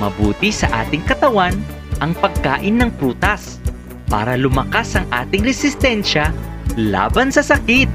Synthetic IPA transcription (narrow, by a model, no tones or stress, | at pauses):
mɐ̰buːt̪ɪsɐʔaːt̪ɪŋkɐt̪ɐwan | ʔɐŋpɐɡ̚kaːʔɪnːɐŋpɾuːt̪ɐs | pa̰ːɾɐlʊmɐkasʔɐŋʔaːt̪ɪŋɾɛsɪst̪ɛnʃɐla̰ːbɐnsɐsɐkɪt̪̚